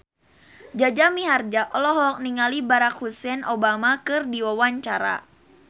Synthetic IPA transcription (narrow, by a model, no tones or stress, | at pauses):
d͡ʒad͡ʒamiɦard͡ʒaʔɔlɔɦɔk̚niŋalibaɾakhusɛnobamakɨrdiwawaɲt͡ʃaɾa̰